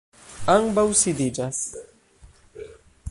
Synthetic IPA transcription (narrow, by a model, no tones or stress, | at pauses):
aŋbawsid̪id͡ʒas